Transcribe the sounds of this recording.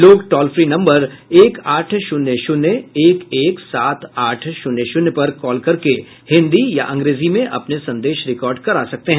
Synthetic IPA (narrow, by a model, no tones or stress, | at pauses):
loːɡʈɔːlfɾiːnɐ̃mbəɾeːkaːʈʰʃʊnːəʃʊnəeːkeːksaːt̪ʰaːʈʰʃʊnəʃʊnjpɐɾkɔːlkɐɾke | hɪ̃nd̪ijaʔɐ̃ŋɡɾeːzimẽʔɐ̰pnesɐ̃nd̪eːʃɾɪkɔːɾɖkɐɾaːsɐk̚t̪eɦɛ̃ː